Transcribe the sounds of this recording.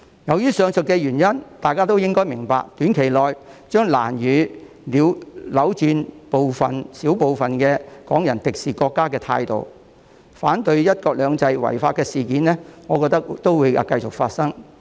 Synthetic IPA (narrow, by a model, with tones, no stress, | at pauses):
jɐ˨wjyː˥sœː˨˧ŋsɵ˨t̚kɛː˧ɥyː˨˩njɐ˥nt̪aː˨jkaː˥t̪o˥wjɪ˥ŋkɔː˥jmɪ˨˩ŋpa̰ː˨k̚t̪yː˨˥nkʰe˨˩jlɔː˨jt͡ʃœː˥ŋlaː˨˩njyː˨˧ | liː˨˧wlɐ˨˥wt͡ʃyː˧npo˨wfɐ˨nsi˨˥wpo˨wfɐ˨nkɛː˧kɔ̰ː˨˥ŋjɐ˨˩nt̪ɪ˨k̚siː˨kɔː˧kːaː˥kɛː˧t̪ʰa̰ː˧jt̪o̰˨w | faː˨˥nt̪ɵ˧ɥjɐ˥t̚kɔː˧k̚lœː˨˧ŋt͡sɐ˧jwɐ̰˨˩jfaː˧t̚kɛː˧siː˨kiː˨˥nlɛː˥ŋɔː˨˧kɔː˧k̚t̪ɐ˥k̚t̪o˥wuː˨˧ja̰ː˧kɐ˧jt͡sʊ˨k̚faː˧t̚sɐ˥ŋ